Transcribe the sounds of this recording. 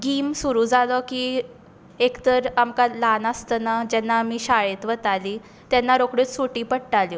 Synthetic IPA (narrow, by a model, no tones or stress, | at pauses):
ɡiːmsuɾuːd͡zalɔkiː | ekt̪əɾamkalanast̪ənad͡ʑɛnːamiːɕaɭet̪ʋət̪ali | t̪ɛnːaɾokɽet͡ssuʈiːpəɽʈalji